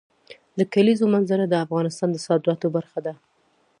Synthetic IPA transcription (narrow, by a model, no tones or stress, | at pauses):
d̪əkalizomanzaɾad̪əafɣɑnɪst̪ɑnd̪əsɑd̪ɾɑt̪obaɾxad̪a